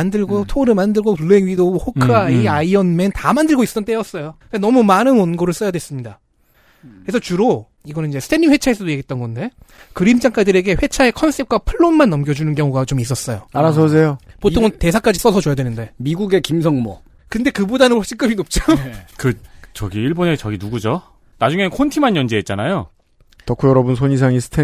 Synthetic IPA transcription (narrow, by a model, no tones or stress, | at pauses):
andɯɭɡotʰoɾɯmandɯɭɡopɯɭːeŋɥidoʌɸokʰɯaiaiʌnmentamandɯɭɡoisʌ̥t͈ʌnt͈ejʌs͈ʌjoɯanʌmumanɯnʌnɡoɾɯɭs͈ʌjadwes͈ɯmɲida | kɾesʰʌt͡ɕuɾo | iɡʌnɯnid͡ʑesʰtʰeniŋɸwe̞t͡ɕʰaesʰʌdojeɡit̚t͈ʌnɡʌnde̞kɯɾimd͡ʑaŋk͈adɯɾe̞ɡe̞ɸwe̞t͡ɕʰae̞kʰʌnsʰep̚kwapʰɯɭːonmanːʌmɡjʌd͡ʑunɯnkjʌŋuɡat͡ɕomis͈ʌs͈ʌjoaɾasʰʌs̬ʰejopotʰoŋte̞s̬ʰak͈ad͡ʑis͈ʌsʰʌojadwenɯnde̞miɡuɡe̞kimsʰʌŋmʌ̰ | kɯnde̞kɯbodanɯnhoɭɕ͈ik͈ɯminop̚t͡ɕ͈okɯt͡ɕʌɡiiɭbonet͡ɕʌɡinuɡud͡ʑo | nad͡ʑuŋekʰontʰimanjʌnd͡ʑeɦːt̚t͡ɕ͈anajo | tʌkʰujʌɾʌbɯns̬ʰoɲis̬ʰaŋisʰɯ̥tʰe